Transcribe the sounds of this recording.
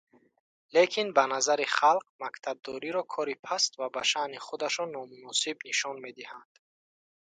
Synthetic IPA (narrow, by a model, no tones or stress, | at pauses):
lekʰinbanazaɾiχalq̚makt̪ʰab̚d̪ɔɾiɾɔkʰɔɾipʰast̪vabaʃaniχud̪aʃɔnːɔmunɔsibniʃɔnme̞d̪ihand̪̥